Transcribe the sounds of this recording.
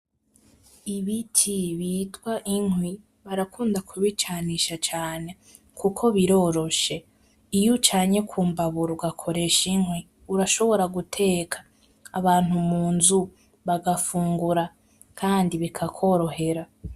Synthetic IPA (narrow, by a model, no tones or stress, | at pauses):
iβitʰiβiːtwaʔiŋwi | βaɾakʰuːndakʰuβit͡ʃaniʃat͡ʃaːne̞ | kʰukʰo̞βiɾo̞ːɾo̞ʃe̞ | ijut͡ʃaːɲe̞kʰuːmbaβuɾuɡakʰo̞ɾe̞ʃiŋwi | uɾaʃo̞βo̞ɾaɡutʰe̞ːkʰḁː | βaːn̥umuːnzu | βaɡafuːŋɡuɾa | kʰaːndiβikʰakʰo̞ɾo̞ɦe̞ɾa